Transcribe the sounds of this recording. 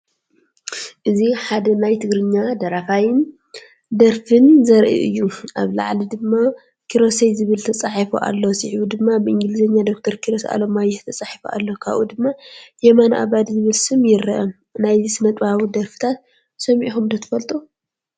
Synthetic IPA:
ʔɨziħad̪ɐnajt̪ʰɨɡɾɨɲːad̪ɐɾafajɪn | d̪ɐɾfɨnzɐɾʔḭʔɨ̰jːuʔa̰βla̰ʕlid̪ɨmːa | kʰiɾo̞sejzɨβɨlt̪ʰɐt͡sʼaħifuʔa̰lːosiħβud̪ɨmːabɨʔɨŋɡɨlɨzɐɲːad̪o̞k̚t̪ʰɐɾkʰiɾosʔa̰lomajɛht̪ʰɐt͡sʼaħifuʔa̰lːo̞kʰa̰βʔṵd̪ɨmːajɛmanʔa̰βad̪zɨβɨlsɨmjɪɾɐʔɐm | najzsɨnɐt̪ʼbaβud̪ɐɾfɨ̥t̪ʰat̪̚ | sɐmʕiħumd̪ɐt̪ʰɨ̥fɐlt̪ʼu

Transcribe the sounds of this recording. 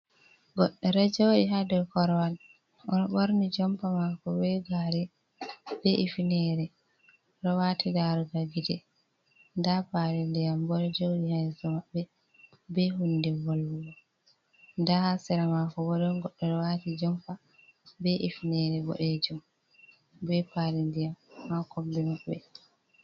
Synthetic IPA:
ɡɔɗːɛɾɛd͡ʒowɗiɦadɔlkɔɾɔwan | ʔɔnɔɓoɾnid͡ʒɔmpamakɔbɛɡaɾɛ | bɛʔifineɾɛ | ɾɔwatʰiɡaɾɔɡaɡidɛ | ndabaɾɛndɛjambɔɾɛd͡ʒowɗihajsɔmaɓːɛ | bɛɦundɛwolːujɔ | ndahasɛɾamakɔbɔɗɔnɡɔɗːɔɾɔwaːtid͡ʒɔmpa | bɛʔifnɛɾɛbɔ̰ɗɛd͡ʒum | bɛpaɾindijamːakɔmbɛmaɓɛ̰

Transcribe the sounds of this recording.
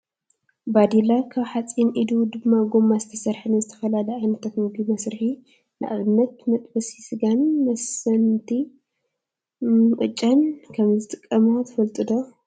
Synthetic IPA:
bad̪ilakʰaβħat͡sʼinʔid̪ud̪ɨmːaɡomːazɨt̪ʰɐsɐɾħɨnɨzɨt̪ʰɐ̥fɐlalɐʔajnɐt̪ʰat̪mɨɡimɐsɾɨħi | nɨʔa̰βɨnːɐt̪̚mɐt̪ʼbɐsisɨɡanmɐsɐnt̪ʰi | kʼɨt͡ʃʼːɐnkʰɐmzɨt̪ʼɨkʼːɐmot̪ʰɐ̥fɐlt̪ʼɨd̪o

